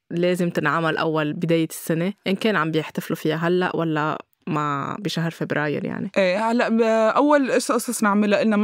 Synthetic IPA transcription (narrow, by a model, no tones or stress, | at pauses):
leːzɪmt̪ɪnʕamalʔa̰wːalbɪd̪eːjɪsːaneʔɪnkeːnʕambjɪħt̪aflufɪjaɦalːa̰ʔwʔalːa | mabɪʃaɦɾˤfebɾaːjɪ̰ɾja̰ʕnḭʔeːhalːaʔʔawːalʔɑsʔɑsˤɑsˤnɪʕmɪlaʔɪlnam